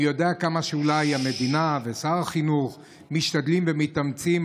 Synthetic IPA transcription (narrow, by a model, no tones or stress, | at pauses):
jo̞d̪eakamaʃeulajame̞d̪inavesaʁaχinuχ | miʃtad̪limvemitamt͡sim